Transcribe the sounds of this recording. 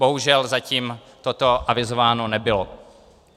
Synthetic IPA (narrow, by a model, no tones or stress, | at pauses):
bo̞ɦuʒɛlzaciːm | t̪ot̪o̞ʔavɪzovaːno̞nɛbɪlo